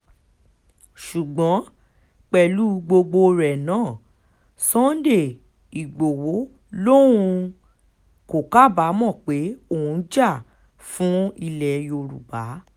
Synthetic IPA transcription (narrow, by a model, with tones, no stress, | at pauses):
ʃu˨ɡ͡bɔ̃˨˦ | k͡pɛ˨lu˨˦ɡ͡bo˧ɡ͡bo˧ɾɛ˨nãː˦˨ | sɔ̃˦de˦˨ | i˨ɡ͡bo˨wo˨˦ | lõ˦ũ˧ | ko˨ka˦˨ba˨˦mɔ̃˦˨k͡pe˨˦o˦˨ũ˨˧˦d͡ʒa˦˨ | fũ˦i˧lɛ˨jo˧ɾṵ˨ba˨˦